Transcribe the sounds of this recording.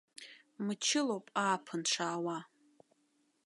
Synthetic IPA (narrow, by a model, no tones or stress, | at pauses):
mɨt͡ʃʰɪlowpʼaːpʰɨnʈ͡ʂʰaːwa